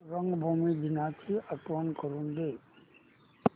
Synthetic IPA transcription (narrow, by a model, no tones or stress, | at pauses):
ɾəŋɡbʱuːmid̪ɪnat̪ʰiəʈwənkəɾũnd̪eː